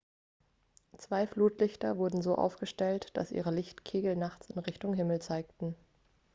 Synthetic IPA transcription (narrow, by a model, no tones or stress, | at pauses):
t͡sv̥aɪfluːtlɪçtɐvʊɐdn̩zoːʔa̰ʊfɡ̥əʃtɛltd̥a̰sʔḭːʁəlɪçtkʰeːɡl̩naχt͡sɪnʁɪçtʊŋɦɪml̩t͡saɪk̚tn̩